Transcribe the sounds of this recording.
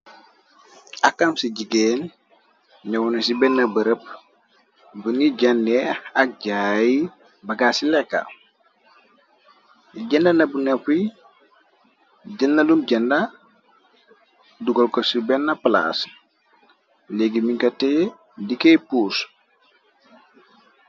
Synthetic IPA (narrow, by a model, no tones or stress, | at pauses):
akːamsiɟiɡen | ɲawunesibɛnːɐbəɾəp̚ | buniɟɐndɛak̚ɟaji | bɐɡasilɛkːa̰ | ɟɐndanɐbunɛfi | ɟɐnːalumɟɐnda | duɡɔlkɔsibɛnːɐpla̰s | leɡimiɲkɔtɛ | dikejpus